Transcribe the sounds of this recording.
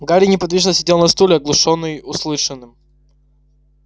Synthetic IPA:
ɡaɾʲɪnʲɪpɐd̪vʲiʐnəsʲɪdʲelˠnɐst̪ulʲɪɐɡlˠʊʂonːɨjʊslˠɨʂɨnːɨm

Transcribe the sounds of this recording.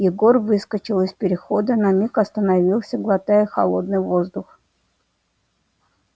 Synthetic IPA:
jɪɡo̞rvɨskət͡ɕɪlˠɪspʲɪɾʲɪxod̪ənɐmʲikɐst̪ənɐvʲilˠsʲəɡlˠɐt̪ajəxɐ̰lˠo̞d̪nɨjvo̞zd̪ʊx

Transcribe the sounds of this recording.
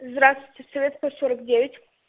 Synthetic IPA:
zd̪ɾast̪vit̪ʲɪsɔvʲet̪sk̪osoɾəkdʲevʲɪtʲ

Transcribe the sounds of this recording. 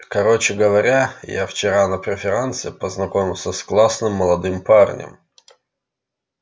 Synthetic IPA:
kɐɾot͡ɕɪɡəvɐɾʲajaft͡ɕɪɾanəpɾʲɪfʲɪɾant̪sɪpəznɐkomʲɪlˠsʲəsklˠasnɨmːəlˠɐd̪ɨmparnʲɪ̰m

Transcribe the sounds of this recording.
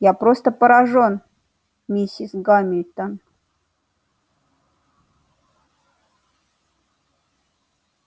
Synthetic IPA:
japɾost̪əpəɾaʐon | mʲisʲisɡamʲɪlʲt̪ən

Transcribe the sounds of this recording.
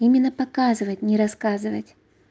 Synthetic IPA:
imʲɪnːəpɐkazɨvətʲnʲɪɾɐskazɨvətʲ

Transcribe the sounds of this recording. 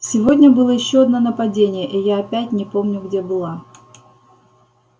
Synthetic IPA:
sʲɪvo̞dʲnʲəbɨlˠəjɪɕːoɐd̪nonəpɐdʲenʲɪjəʔijaɐpʲætʲnʲɪpo̞mnʲʊɡdʲebɨlˠa

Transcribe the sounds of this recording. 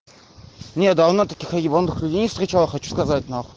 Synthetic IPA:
nʲet̪̚d̪ɐvnot̪ɐkʲixɐibɐnud̪ɨxlʲʉdʲejnʲɪfst̪ɾʲɪt͡ɕalˠəxɐt͡ɕu̥skɐzat̚ʲnax

